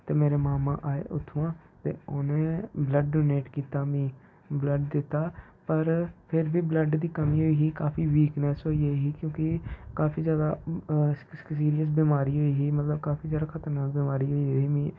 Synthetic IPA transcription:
t̪eːmeːɾeːmaːmã̰ːʔaːḛːʔʊt̪ʰːuːãː | t̪ḛːʊnẽːbləɖɖoːneːʈkiːt̪aːmĩː | bləɖd̪ɪt̪ːaː | pəɾpʰɪɾbiːbləɖd̪iːkəmiːɦoːiːɦiːkaːpʰiːʋiːknɛːsɦoːiːɦoiɦiːkjõːkɪkaːfiːzjaːd̪aː | siːɾijəs̬biːmaːɾiːɦoːiːɦiːmət̪ləbkaːpʰiːzjaːd̪aːkʰət̪əɾnaːkbiːmaːɾiːɦoːiːɦiːmĩː

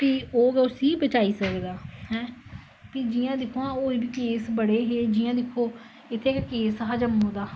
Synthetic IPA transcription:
piːoːɡɛʊsiːbət͡ʃaːiːsəed̪aːɦɛ̃ː | piːd͡ʒijãːd̪ɪkʰoãːoːiːbiːkeːsbəɽeːɦeːd͡ʒiːãːd̪ɪkʰːoː | ɪt̪ʰːeːkkeːsɦaːd͡ʒəmːõːd̪aː

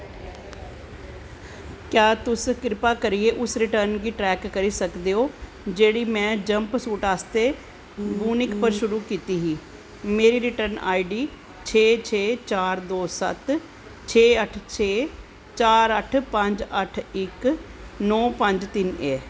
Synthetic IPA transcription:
kjaːt̪ʊskɾɪpaːkəɾieːʔʊsɾɪʈəɾnɡiːʈɾɛːkːəɾiːsəkd̪eːoː | d͡ʒeːɽiːmɛ̃ːd͡ʒəmpsuːʈaːst̪eː | buːnɪkpəɾʃʊɾuːkiːt̪iːɦiː | meːɾiːɾɪʈəɾna̰ːiɖiː | t͡ʃʰeːt͡ʃʰeːt͡ʃaːɾd̪oːsə̰t̪ | t͡ʃʰeːəʈʰt͡ʃʰeː | t͡ʃaːɾəʈʰpə̃ɲd͡ʒəʈʰɪknɔːpəɲd͡ʒt̪ɪneː

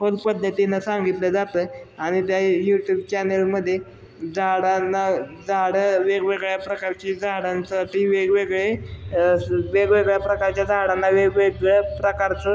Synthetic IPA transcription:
ɦod̪pəd̪ʱːət̪inasãŋɡit̪ləd͡zat̪əːaɽ̃it̪jajuʈjuːb̚t͡ɕɛnelməd̪ʱːje | d͡zaɽanːad͡zaɽəʋeɡʋeɡɭjapɾəkaɾt͡ɕid͡zaɽansaʈʰiʋeɡʋeɡɭe | ʋeɡʋeɡɭjapɾəkaɾt͡ɕjad͡zʱaɽanːaʋeɡʋeɡɭapɾəkaɾt͡sə

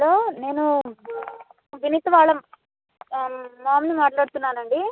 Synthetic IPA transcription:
ɐloːne̞ːnu | ʋinit̪ɐʋaːɭɐm | aːmnimaːʈlaːɽt̪unːaːnɐɳɖi

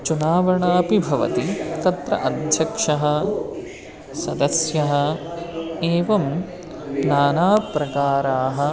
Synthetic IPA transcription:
t͡ʃunaːʋɐɳaːpibʱɐʋɐ̰t̪it̪ɐt̪ɾɐ̰ʔɐd̪ʱjɐkʂɐɦɐ̆ | sɐd̪ɐsjɐɦɐ̆ | eːʋɐm | naːnaːpɾɐkaːɾaːɦɐ̆

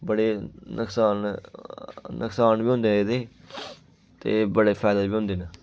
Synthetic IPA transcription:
bəɽeːnʔəksaːn | nʊksaːnbiːɦʊ̃nd̪eːɦed̪eː | t̪eːbəɽeːpʰɛːd̪əbiːõːnd̪eːnə

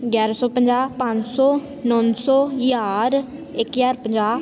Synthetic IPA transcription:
ɡjaːɾasɔːpəɲd͡ʒaːpãɲd͡ʒsɔː | nɔːnsɔːjaːɾɪkjaːɾpəɲd͡ʒaː

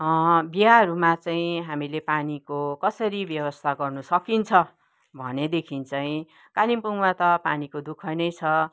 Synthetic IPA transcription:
ʌbiaɦʌɾumat͡saĩɦamilepanikokʌsʌɾibjʌbʌst̪ʰaɡʌrnusʌkint͡sʰʌ | bʱʌ̰ned̪ekʰint͡saĩ | kalimpuŋmat̪ʌpanikod̪ukʰʌjnʌjt͡sʰʌ

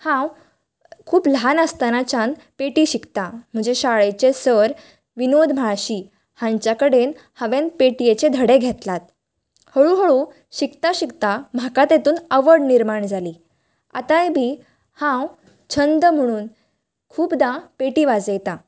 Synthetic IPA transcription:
hãw | kʰuːpləɦanəst̪anat͡ɕan | peʈiːɕikt̪am̤əɳd͡zeɕaɭet͡ɕesəɾ | ʋinod̪ʱm̤aɭɕiː | hãɲt͡ɕjakəɽen | həʋenpeʈijet͡ɕed̪ʱəɽeɡʱet̪lat̪̚ | həɭuɦəɭu | ɕikt̪aɕikt̪am̤akat̪et̪uːnəʋəɾɽniɾmaɳd͡zʱaliː | a̰t̪ãjebiː | hãw | t͡ɕʰənd̪əm̤əɽ̃uːn | kʰuːpd̪ãpeʈiːʋad͡zejt̪ã

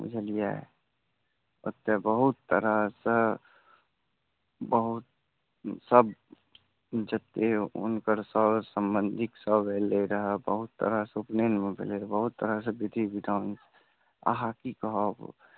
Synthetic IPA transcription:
ṵd͡ʒʱəlija | ə̰t̪ːebəɦut̪ːə̰ɾasə | bəɦut̪̚ | səb | d͡ʒət̪ːeʊ̰nkəɾsəsəmbənd̪ʱiksəbʱeleɾəɦəbəɦut̪ːə̰ɾasupnenmebʱḛleɾbəɦut̪ːəɾas̬əbid̪ʱibidaʊns | a̰ɦakikəɦɔb

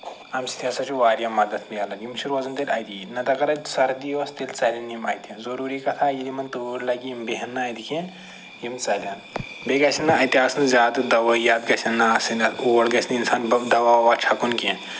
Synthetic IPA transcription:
ɐmsi̥t̪ʰiɐsɐt͡ʃʰuʋaːɾjɐmɐd̪ɐt̪ʰmijɐlɐnjimt͡ʃʰiɾʋɐːzɐnt̪elʲɐjt̪inɐt̪ɐkɐɾɐsɐɾd̪ijʋɐst̪elʲt͡sɐlʲɐnimɐːjt̪izɐɾuːɾiːkɐt̪ʰaːjilimɐnt̪oːɾlɐɡimbeɦɐnːɐːjd̪ikʰĩn | jimt͡sɐlʲɐn | beːɡɐsɐnːɐɐjt̪ʲiaːsɨnzʲaːd̪d̪ɐʋɐjaːd̪ɡɐsʲɐnːɐɐsɨnɐoːlɡɐsʰininsaːnd̪ɐʋaːʋaːt͡ʃʰɐkunkĩn

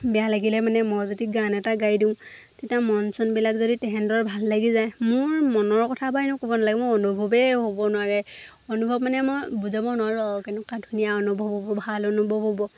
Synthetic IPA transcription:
bijalaɡilɛmanɛmɔjzodiɡanɛtaɡaɹjdĩʊ̃ | tetiamɔnsɔnbilakzoditɛɦɛndɔɹbʱalːaɡizajmʊɹmɔnɔɹkɔtʰabaɛnʊkobɔnalaɡɛmɔɔnubʱɔbɛɦobɔnʊwaɹɛ | ɔnubʱɔb̚manɛmɔjbuzabɔnʊaɹuakɛnʊkadʱunijaɔnubʱɔbʱbɔbʱalɔnubʱɔbʱɔbɔ

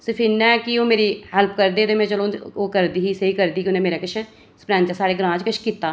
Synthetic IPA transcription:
səpʰinːaɛkɪoːmeːɾiːhɛlpkəɾd̪eːt̪eːmɛ̃ːt͡ʃəlõːoːkəɾd̪iːɦiːseiːkəɾd̪iːkɪʊnẽːmeːɾaːkɪt͡ʃʰː | spɾɛ̃ːnt͡ʃasaːɽeːɡɾãːt͡ʃkəʃkiːt̪ːaː

